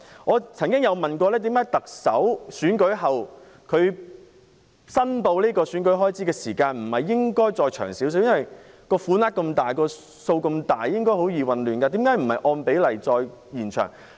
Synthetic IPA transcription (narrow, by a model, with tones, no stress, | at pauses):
ŋɔː˨˧t͡sʰɐ˨˩ŋkɪ˥ŋjɐ˨˧wmɐ˨nkʷɔː˧lɛː˥t̪iː˨˥mkaː˨˥jt̪ɐ˨k̚sɐ̰˨˥wsyː˨˥nkɵ˨˥ɥɦɐ˨w | kʰɵ˨˧ɥ | sɐ˥np̪o˧wliː˥kɔː˧syː˨˥nkɵ˨˥ɥɦɔː˥jt͡siː˨˥kɛː˧siː˨˩kaː˧nm̩˨˩hɐ˨˩jːɪ˥ŋkɔː˥jt͡sɔː˧jt͡ʃʰœ̰ː˨˩ŋsiː˨˥ws̬i˨˥wjɐ˥wɐ˨˩j | kɔː˧fuː˨˥naː˥t̚kɐ˧mt̪aː˨jkɔː˧ | so˧wkɐ˧mt̪aː˨jːɪ˥ŋkɔː˥ɦo˨˥wjiː˨˧wɐ˨nlyː˨nka˧t̪iː˨˥mkaː˨˥jm̩˨˩hɐ˨jʔɔː˧npe˨˥jlɐ˨˩jt͡sɔː˧jjiː˨˩nt͡ʃʰœ̰ː˨˩ŋ